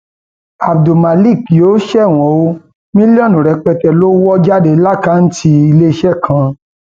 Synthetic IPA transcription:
a˨b̚do˨ma˨li˦˨kjoː˨˦ʃɛ˦˨w̃ɔ̃˨o˧˦ | mĩ˦li˦ɔ˦˨nũ˨ɾɛ˧k͡pɛ˧tɛ˨lo˦wɔ˦d͡ʒa˦˨de˧˦la˦˨ka˦n̩˦ti˧i˧le˦i˧ʃɛ˦˨kʰã˧

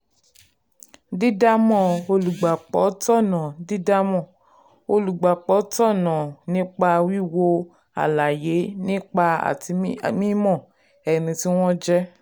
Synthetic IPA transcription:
di˦da˦mɔ̃˦˨o˧lu˨ɡ͡ba˨k͡pɔ˨˦tɔ˦˨nã˨di˦da˦mɔ̃˦˨ | o˧lu˨ɡ͡ba˨k͡pɔ˨˦tɔ˦˨nã˨nĩ˦k͡pa˧wi˦˨wo˧ | a̰˨la˨je˨˦nĩ˦k͡pa˧a̰˨ti˧˨mĩ˦mɔ̃˦˨ | ɛ˨nĩ˧ti˦w̃ɔ̃˦d͡ʒɛ˦

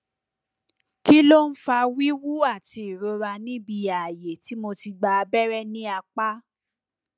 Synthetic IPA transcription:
ki˦lo˦˨n̩˦fa˧wi˦wu˦a˦˨ti˧i˨ɾo˧ɾa˧nĩ˦bi˧a˨je˨ti˨˦mo˧ti˧ɡ͡ba˧bɛ˦ɾɛ˦nĩ˦a˧k͡pa˦

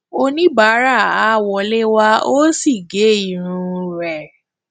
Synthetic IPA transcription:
o˧nĩ˦ba˨˦ɾa˦˨a˨˦˨wɔ˨le˦wa˧o˦si˦˨ɡe˨˦i˦˨ɾ̃ũ˧ɾɛ˨

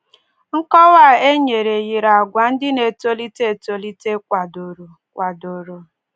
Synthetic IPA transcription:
ŋ̩˦kɔ˦wa˦˨e˦ɲe˨ɾe˨ɣi˨ɾa˨ɡʷa˨n̩˦dɪ˦ne˨to˦li˦te˦e˨to˨li˦te˦kʷa˨do˨ɾo˨ | kʷa˨do˨ɾo˨

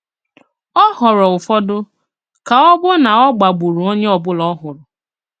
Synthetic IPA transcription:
ɔ˦ɦɔ˨ɾɔ˨ʊ˨fɔ˦dʊ˦ | ka˨ɔ˦bʊ˦na˨ɔ˦ɡ͡ba˨ɡ͡bu˨ɾu˨o˦ɲe˦ɔ˨bʊ˦lɔ˦ɦʊ˨ɾʊ˨

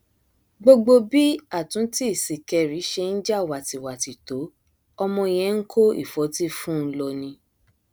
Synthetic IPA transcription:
ɡ͡bo˧ɡ͡bo˧bi˦a˦˨tũ˨˦ti˦i˦˨si˨kɛ˧ɾi˨˦ʃe˧n̩˦d͡ʒa˦˨wa˨ti˨wa˨ti˨to˨˦ | ɔ˧mɔ̃˧j̃ɛ̃˧˦ŋ̩˦kʰo˦ḭ˦˨fɔ˨˦ti˦fũ˦n̩˧lɔ˧nĩ˧

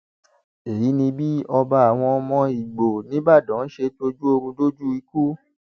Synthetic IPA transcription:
e˨ji˨˦nĩ˧bi˦ɔ˧ba˧a˨w̃ɔ̃˧mɔ̃˧i˨ɡ͡bo˨nĩ˨˦ba˦˨dɔ̃˨˦n̩˦ʃe˧to˧d͡ʒu˦o˧ɡũ˧do˦d͡ʒu˦i˧ku˦

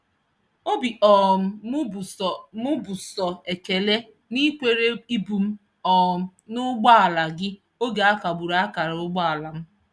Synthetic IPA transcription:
o˦bi˨ʔɔ˨m̩˦˨mʊ˦bʊ˨sɔ˨e˨ke˨le˦ | ni˦kʷe˨ɾe˦i˦bu˨m̩˦ | ɔ˨ | nʊ˦ɡ͡ba˦a˨la˨ɡɪ˦ | o˦ɡe˨a˦ka˨bu˨ɾa˨˦a˦ka˨ɾʊ˦ɡ͡ba˦a˨la˨m̩˦

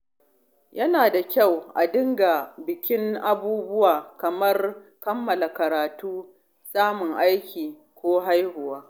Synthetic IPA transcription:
jɐ˦naː˨da˨kʲa˦˨wʔa̰˨dɪ˦ŋɡa˨bɪ˨kʲɪ˦ŋʔa˦buː˦bʊ˦waː˨kɐ˨mɐ˦rkɐ˦mːɐ˨la˨kɐ˨ɾaː˨tuː˦ | sʼaː˦mʊ˨ŋʔa˦jkʲʰiː˨ | kʷoː˦ɦa˦jhʊ˨waː˦

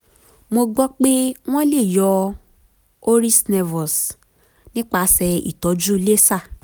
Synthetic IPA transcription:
mo˧ɡ͡bɔ˦k͡pe˦w̃ɔ̃˦le˦˨jɔ˧ | o˦ɾi˦snɛ˧vɔ˨s | nĩ˦k͡pa˧˨˦sɛ˧ḭ˨tɔ˨˦d͡ʒu˦le˦sa˦˨

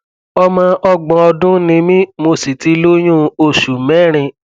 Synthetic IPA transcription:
ɔ˧mã˧ʔɔ˧ɡ͡bɔ̃˧ɔ˧dũ˦nĩ˧mĩ˦mo˧si˨ti˧lo˦j̃ũ˦o˧˨ʃu˨mɛ˨˦˨ɾ̃ĩ˧

